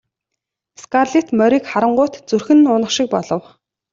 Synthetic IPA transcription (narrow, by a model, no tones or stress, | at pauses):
skarɮit̪mœɾiːkχaɾə̆ɴɢʊːt̪t͡sɵrxɘ̆nʊnə̆χʃɪ̆k̚pɔɮɞ̆w